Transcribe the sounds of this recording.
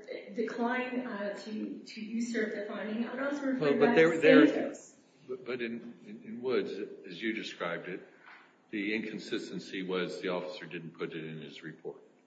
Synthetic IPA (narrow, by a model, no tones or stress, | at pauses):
dɨkʰl̥ãɪ̃ntʰɨɾɨjɨsɜ˞vðɨfãɪ̃ndɪ̃ŋaʊɾaswʌ̃nwɛlˠbʌðəðətoz̥ | bʌb̥ʌɾɨ̃nɪ̃nwʊdzɨzjɨdɨskɹaɪb̚dɨt̪̚ | ðiɪ̃nkʰn̩sɪstɨ̃n̩siwʌzðiɔfə̥sə˞dɪdⁿn̩pʰʊɾɨɾɨ̃nɪzɹɨpʰɔ̰ɹt̚